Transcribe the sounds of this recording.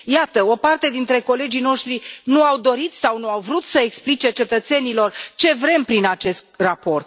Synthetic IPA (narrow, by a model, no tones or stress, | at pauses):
jat̪əo̞part̪e̞d̪int̪ɾe̞ko̞le̞d͡ʒino̞ʃt̪ɾinuawd̪o̞ɾit̪sawnuawvɾut̪səeksplit͡ʃe̞t͡ʃe̞t̪ət̪se̞nilo̞rt͡ʃe̞vɾe̞mpɾinat͡ʃe̞st̪̚rapo̞rt̪